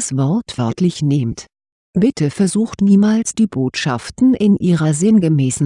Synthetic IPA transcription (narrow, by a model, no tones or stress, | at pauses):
sv̥ɔɐtv̥œɐtʰlɪçnɪmt | b̥ɪtʰəfɛɐzuːxtniːmaːlsd̥iːboːtʃaftn̩ʔɪnʔiːʁɐzɪnɡəmɛːsn̩